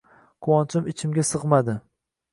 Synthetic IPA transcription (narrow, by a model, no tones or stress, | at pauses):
kʰʊwɒnt͡ʃʰʊmɪt͡ʃʰɪmɡʲasɨʁmad̪ɪ